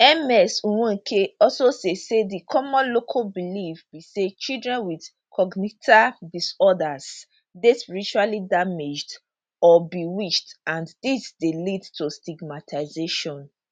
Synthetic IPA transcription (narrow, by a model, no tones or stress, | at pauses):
ɛmɛsũwũkʰeɔsosesedikʰɔmɔ̃nlokʰabilifbiset͡ʃildɹɛ̃nwid | kʰɔɡnitʰadisɔdas | despiɹit͡ʃualidamed͡ʒd | ɔbiwiʃtãndisdelidtʰustiɡmatʰaɪzeʃɔ̃n